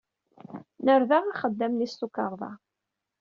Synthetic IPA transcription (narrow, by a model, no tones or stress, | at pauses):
nəɾðaʁaχəd̪ːæmnist̪ukɑɾˤðˤɑ̰